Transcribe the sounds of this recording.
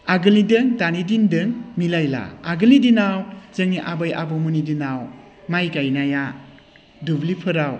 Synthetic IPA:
aɡɯlidɯŋtanidindɯŋmilajla̰aɡɯlidinawzɯŋniʔabajʔa̰bɔmunidinaw | majkajnaja | dublipʰɯɾaw

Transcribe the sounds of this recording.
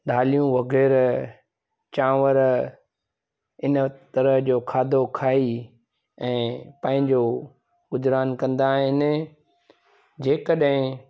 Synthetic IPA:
ɗaːlijũʋɐɣɛːɾ | t͡ɕãːʋəɾ | ɪnət̪ɐɾəɦd͡ʑoːkʰaːd̪ʱokʰaːi | ɛ̃ːpɐ̃ɦɪ̃ɲd͡ʑo | ɡʊzɾaːnkɐ̃nd̪aːɦɪnɪ | d͡ʑeːkəɗɦɪ̃

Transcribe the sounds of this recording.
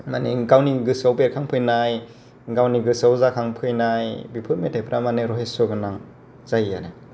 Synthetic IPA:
maniɡawniɡɯsawbeɾkʰaŋpʰɯjnaj | ɡawniɡɯsawzakʰaŋpʰɯjnajbipʰɯt̚metʰajpʰɾʔamaneɾɔɦesɔɡɯnaŋ | z̥ajaɾe

